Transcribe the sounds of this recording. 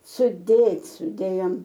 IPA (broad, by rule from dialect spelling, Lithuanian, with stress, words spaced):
sʊˈdʲeːtʲ sʊˈdʲeːjoːm